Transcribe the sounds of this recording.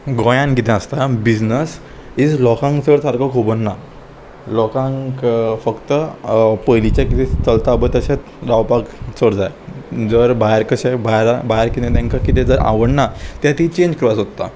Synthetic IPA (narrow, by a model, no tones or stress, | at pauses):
ɡɔ̃jãnkit̪ɛ̃əst̪abid͡ʑnəs | id͡zlɔkãŋksəɾsaɾkokʰubənːa | lɔkãŋkfəkt̪əpəjlit͡ɕakit̪et͡səlt̪abət̪əɕat | lawpakt͡səɽd͡zajd͡zəɾbajɾkəɕabaɾbaɾkit̪ẽt̪ãŋkakit̪ẽd͡zəɾa̰ʋəɽnat̪jat̪it͡ɕẽɲd͡ʑkɾasɦot̪ːa̰